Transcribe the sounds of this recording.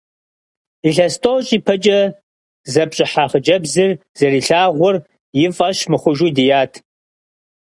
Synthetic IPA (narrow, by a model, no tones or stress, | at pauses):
iɬɐstʼowɕʼiːpʰɐt͡ʃʼɐ | zɐpɕʼɪħaːχəd͡ʒɐbzɨrzɐɾiːɬaːʁʷʊr | jɪfʼɐɕmɨχʷʊʒudijaːtʰ